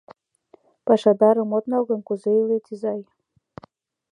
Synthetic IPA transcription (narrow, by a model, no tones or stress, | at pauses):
pɑʃɑd̪ɑɾɤ̆mot̪nɑlɣɤ̆nkuzeylet̪ʲizɑj